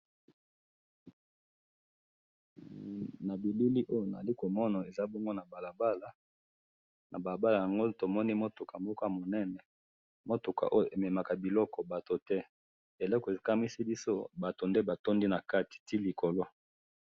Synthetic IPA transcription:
na˨bi˨bi˦li˦ʔo˦jo˨na˨li˦ko˨mɔ˦na˨e˨za˦bɔ˦ŋɡo˦na˨ba˨la˨ba˦la˨ | nʔa˨ba˨ba˦la˨ja˨ŋɡo˦to˨mɔ˦ni˦mo˦to˨ka˨mo˦ka˦mo˨nɛ˦nɛ˨ | mo˦to˨ka̰˨ʔo˦jo˨ʔe˨me˨ma˨ka˨bi˨lɔ˦kɔ˨ba˨to˨tɛ˦ | e˨lɔ˦kɔ˨e˨ka˦mi˦si˦bi˦so˦ba˨to˨nde˦ba˨to˦ndi˦na˨ka˦ti̥˨ti˦li˨ko˨lo˦

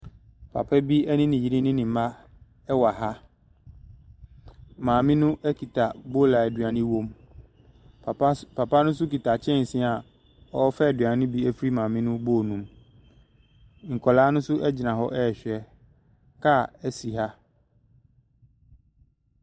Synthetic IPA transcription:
pʰa̰˨pʰɛ˦bi˦ɛ˦nɪ̃˦nɪ̃˨ji˨ɾɪ̃˦nɪ̃˦nɪ̃˨m˨˦ma˦ | ɛ˦wa˨ɦa˦ | mãː˨mɪ̃˦nʊ̃˦ʔɛ˦kʰi˨tʰa˨bo˦la˨ɛ˨dɥa˨nɪ̃˦wõ˦m˨˦ | pʰa˨pa˦nʊ̃˦s̬ʊ˦ki˨tʰa˨t͡ɕʰɛ̃˦n̩˨sĩ˦˨a˨ | ɔ˦fɛ˦˨dɥã˨nɪ̃˦bi˦æ˦fi˦ɾi˦mãː˨mɪ̃˦nʊ̃˦bo˦˨nũ˨m | ŋ̩˨kʰɔ˨laː˦nʊ̃˦sʊ˦ɛ˦d͡ʑɪ˨nã˨ɦɔ˦ʔɛ˦˨ɕᶣɛ˦ | kʰa˦˨æ˦si˨ɦa˦

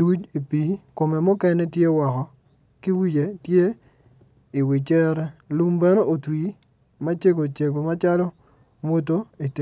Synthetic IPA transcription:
wu˦t͡ʃi˨pi˨ko˨mɛ˨mʊ˦kɛ˦nɛ˦tje˦wɔ˨kɔ˨ | ki˦wi˦t͡ʃe˨tje˦ | i˨wi˨t͡ʃɛ˦ɾɛ˦lu˦mbɛ˦no˦ʔo˨twi˨˦ | ma˦t͡ʃe˦ɡo˨t͡ʃe˨ɡo˨ma˦t͡ʃa˦lɔ˦ | mo˦t̬o˦i˨te˨

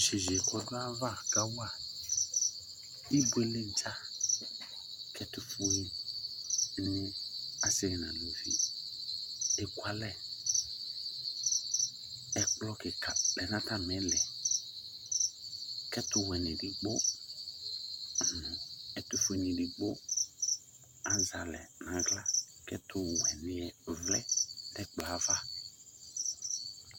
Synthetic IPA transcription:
ʃe˨ʒe˨kɔ˨dʊ˦a˦va˦ka˦wa˦˨ | i˦bu˦ɛ˦lɪ˦n̩˦t͡ʃa˦ | kʰɛ˦tʊ˨fʊ˦i˦ | nũ˦a˦sɪ˦˨nã˨lo˨vḭ˨ | dɪ˨kwa˨lɛ˦˨ | ɛ˨k͡plɔ˦kɪ˨ka˨lɛ˨nã˦ta˦mɛ̃˨˦lɛ˨ | kɛ˦tʊ˦wɛ˨nɪ̃˨di˨ɡ͡bʊ˦˨ | nʊ̃˨ɛ˨tʊ˦fe˦nĩ˨di˨ɡ͡bʊ˦ | a˦za˨lɛ˨nã˨ɡla˦ | kɛ˦tʰʊ˨wɛ˨nɪ˨ɛ˨vlɛ̰˦dɛ˦k͡pla˨˦va˦

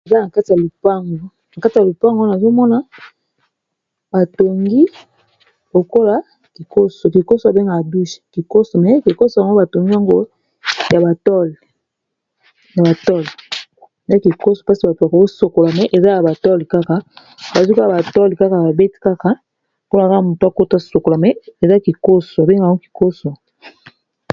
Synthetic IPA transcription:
e˨za˦na˨ka˦ti˨ja˨lu˨pa˦ŋɡo˦ | na˨ka˦ti˨ja˨lo˨pa˦ŋɡo˦na˨zo˦mɔ˦na˨ | ba˨to˨ŋɡi˦ | lo˨ko˦la˨ | ki˨ko˦so˨ki˨ko˦so˨ja˨be˦ŋɡa˨ja˨bi˦ʃki˨ko˦so˨mɛ˨˦ki˨ko˦so˨ŋɡo˦ba˨to˨ŋɡi˦ja˦˨ŋɡo˦ | ja˨ba˨tɔ˦l | na˨ba˨tɔ˦li˨ | e˨za˦ki˨ko˦so˨pa˦si˨ba˨to˨a˨ko˨o˦so˨ko˨la˨mɛ˨ʔe˨za˦ja˨ba˨tɔ˦li˨ka˦ka˨ | ba˨zi˦kla˨ba˨tɔ˦li˨ka˦ka˨ba˨be˦ti̥˦ka˦ka˨ | kn˦˨ka˦ka˨mu˨to˨a˨ko˦ta˦so˨ko˨la˨mɛ˨e˨za˦ki˨ko˦so˨a˨be˦ŋɡa˨ŋɡo˦ki̥˨ko˦so˨

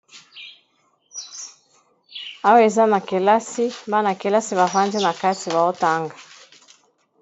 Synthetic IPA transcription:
a˦wa˦e˨za˦na˨ke˨la˦si˦mba˦na˨ke˨la˦si˦βa˨va˦nzi˦na˨ka˦ti˨βa˨o˦ta˦ŋɡa˨

